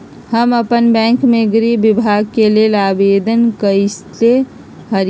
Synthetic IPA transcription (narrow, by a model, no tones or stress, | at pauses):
həməpənbɛ̃ːŋkmẽɡɾibɪbʱaːɡ̚kelielaːbeːd̪ənkəɪst̪e | ɦəɾ